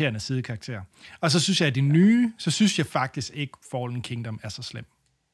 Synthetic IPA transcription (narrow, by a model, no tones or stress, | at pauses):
e̝̰ːɐnəsiːðˠkʰɑ̈ɡ̥̚t͡sʰe̝̰ɐɒ̽s̬ɒ̽synsjɑ̈ɪæd̥inyːsɒ̽synsjɑ̈ɪfɑ̈ɡ̥̚d̥isɡ̥e̝ɡ̥əfɒːɒ̽l̥nkʰeŋd̥ɒ̽mæɐsɒ̽slem̰